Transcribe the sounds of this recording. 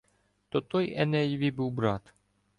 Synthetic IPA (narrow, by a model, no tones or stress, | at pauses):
t̪ot̪ojɛnɛjvʲibɨwbɾat̪